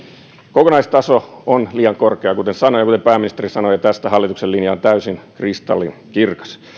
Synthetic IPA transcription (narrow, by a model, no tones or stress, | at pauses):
kokonɑist̪ɑsoonliːɑŋkorkeɑkut̪ensɑnojɑkut̪epæːmːinist̪eɾisɑnojɑt̪æst̪æhɑlːit̪ukselːinjɑːnt̪æysinkrist̪ɑ̰lːḭnkirkɑ̥s